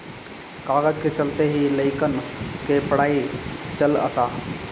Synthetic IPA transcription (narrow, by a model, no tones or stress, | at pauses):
kaːɡəd͡ʒket͡ʃəlt̪eɦiləɪkənkepəɽaːit͡ʃələ̰t̪aː